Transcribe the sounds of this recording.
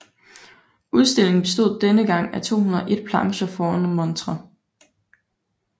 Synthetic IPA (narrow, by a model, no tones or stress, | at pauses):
ʔuð̞ˠsd̥e̝l̰e̝ŋn̩b̥e̝sd̥o̝ð̰ˠd̥enəɡ̥ɑ̈ŋ̰æt͡sʰo̝̰ːhunɐʔe̝d̥̚pʰlɑ̈ŋɕəfɒːænmɔ̽nt͡sʰʁɐ